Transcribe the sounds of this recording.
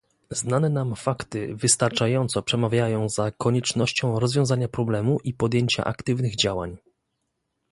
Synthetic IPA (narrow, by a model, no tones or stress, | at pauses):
znanɛnamfakt̪ɘ̰vɘst̪aɾt͡ʂajɔnt̪sɔpʂɛmavʲjajɔ̃w̃zakɔɲɛt͡ʂnɔɕt͡ɕɔ̃w̃ɾɔzvʲjɔ̃w̃zaɲapɾɔblɛmuʔipɔd̪jeɲt͡ɕa̰ʔa̰kt̪ɘvnɘɣd͡ʑawa̰ɲ